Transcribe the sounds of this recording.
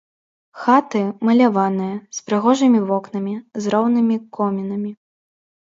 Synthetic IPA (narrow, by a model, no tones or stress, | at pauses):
xat̪ɨmɐlʲavanɨjɐspɾɨɣɔʐɨmʲivɔknɐmʲizrɔwnɨmʲikʰɔmʲinɐmʲi